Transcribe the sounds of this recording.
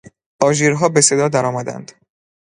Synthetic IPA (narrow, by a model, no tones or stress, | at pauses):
ʔɒːʒiːɾɦɒːbe̞sed̪ɒːd̪æɾɒːmæd̪æ̰nd̪̥